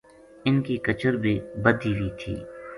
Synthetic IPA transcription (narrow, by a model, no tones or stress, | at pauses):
ɪnkikɐt͡ʃəɾbʱiːbəd̪ʱiːʋit̪ʰḭː